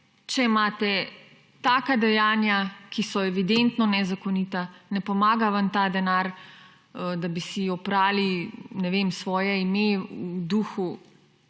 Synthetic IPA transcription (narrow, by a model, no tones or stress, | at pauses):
t͡ʃɛimaːt̪ɛ | t̪aːkad̪ɛjaːnjakisɔɛʋid̪ent̪nɔnɛzakonit̪anɛpɔmaːɡaʋant̪ad̪ɛnaɾ | d̪abisiɔpɾaːlinɛʋemsʋɔːjɛimeud̪uːxu